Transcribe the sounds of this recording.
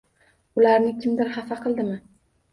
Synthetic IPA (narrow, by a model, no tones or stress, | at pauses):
ʊlaɾnɪkʲʰɪmd̪ɪlhafaqʰɨlˠd̪ɪmɪ